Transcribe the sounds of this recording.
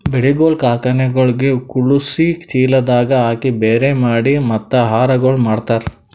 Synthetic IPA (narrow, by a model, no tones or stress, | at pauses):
beɽiɡoːlkaːkɐɳɛɡɐɭɡekuɭusit͡ʃiːlɐd̪aːɡɐaːkibeːɾemaːɽimɐt̪ːɐɦaːɾɐɡoɭmaːɽt̪aːɾ